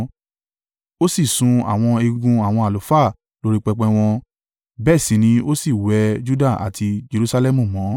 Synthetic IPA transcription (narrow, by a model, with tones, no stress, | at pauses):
o˦si˦˨sũ˧a̰˨w̃ɔ̃˧e˧ɡũ˧a˨w̃ɔ̃˧a˨lo˨˦fa˦˨ | lo˧ɾi˧k͡pɛ˧k͡pɛ̃˧w̃ɔ̃˧ | bɛ˦˨sĩ˨˦nĩ˧o˦si˦˨wɛ˨˦d͡ʒu˦da˦˨a̰˨tʰi˧d͡ʒe˧ɾu˧sa˧lɛ˦mũ˦˨mɔ̃˨˦